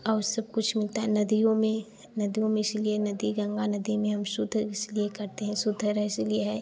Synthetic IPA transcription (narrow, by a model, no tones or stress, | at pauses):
ɔːɾsɐb̚kʊt͡ʃʰmɪlt̪aɦɛnɐd̪ijõmẽ | nɐd̪ijõmẽɪslienɐd̪iɡɐ̃ŋɡanɐd̪imẽɦɐmsʊd̪ʱəɪsliekɐɾt̪eɦɛ̃sʊd̪ʱəɾəɪslieɦɛː